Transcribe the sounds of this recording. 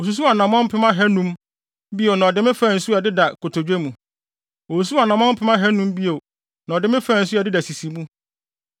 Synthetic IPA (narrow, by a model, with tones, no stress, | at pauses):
o˨s̬u˨˦s̬u˦a˨nã˨mɔ̃˦m̩˦pʰɪ˦mã˦ɦɛ˦nũ˦m | bi˦o˨nã˨ɔ˨dɪ˦mɪ̃˦fã˦˨n̩˨su˦a˨dɪ˦da˨kʰo˨tʰo˨d͡ʑᶣe˦mũ˨ | o˨su˨s̬u˦a˨nã˨mɔ̃˦m̩˦pʰɪ˦mã˦ɦɛ˦nũ˦mbi˦o˨ | nã˨ɔ˨dɪ̃˦mɪ̃˦fã˦˨n̩˨su˦a˨dɪ˦da˨si˨si˨mũ˦